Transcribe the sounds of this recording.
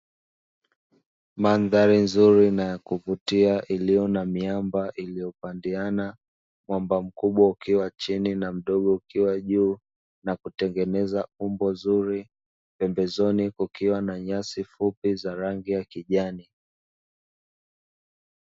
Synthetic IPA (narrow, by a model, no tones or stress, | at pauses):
manðaɾinzuɾinajakuvutiaʔilijɔnamiambaʔilijɔpandiana | mwambam̩kuɓwaukiwat͡ʃininam̩ɗɔɠɔukiwaʄuː | nakutɛŋɡɛnɛzaumbɔnzuɾi | pɛmbɛzɔnikukiwanaɲasifupizaɾaŋɡijakiʄani